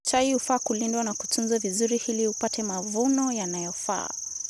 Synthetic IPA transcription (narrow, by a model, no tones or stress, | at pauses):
t͡ʃaiufaːkulindwanaku̥tunzwavizuɾihiliupatɛmavunɔjanajɔfa̰